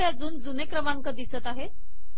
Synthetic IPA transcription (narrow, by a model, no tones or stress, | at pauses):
jad͡zuːnd͡zunekɾəmaŋkəd̪isət̪aɦe